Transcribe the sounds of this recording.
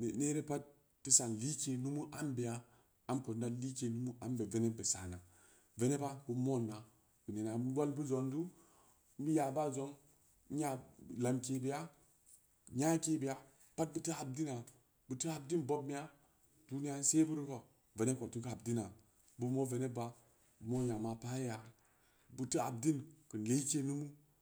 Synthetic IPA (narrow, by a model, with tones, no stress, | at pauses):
n˨ne˦ɾe˦pa˦t̚ː | i˦sa˨n˨li˦ke˨nu˦mu˦ʔa˦mbe˨a˦ | a˦mko˨n˦da˦li˦ke˨nu˦mu˦ʔa˦mbe˨ve˦ne˦be˨sa˨na˨ | ve˦ne˦ba˦bu˦mo˦˨nːa˨ | b̥i˨ne˨na˨˦a˦lbu˦zo˨ndu˦ | bi˦ja˨ba˦zo˦ŋ˦ | ja˦˨la˨mki˦bi˦a˦ | ɲa˦ke˦bi˨ja˦ | pa˦t̚bɨ˦ti˦a˨b̚di˦na˨ | bu˨ti˦a˨b̚di˦nbo˦bmi˦a˦ | tu˦ni˦ja˦n˦se˦bu˦ɾi˦ko˨ | ve˨ne˦ko˨tu˦ka˨b̚di˦na˨ | bu˦mo˦ve˨ne˦ba˦˨ | mo˦˨na˨ma˨pa˦ja˨ | bu˦ti˦a̰˨b̚di˦nkɨ˨n˨le˦i˦ke˦nu˦mu˦